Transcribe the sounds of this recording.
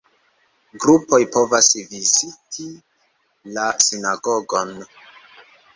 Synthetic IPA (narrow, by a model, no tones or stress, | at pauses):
ɡɾupo̞jpo̞vasvizitʰi | lasinaɡo̞ɡo̞n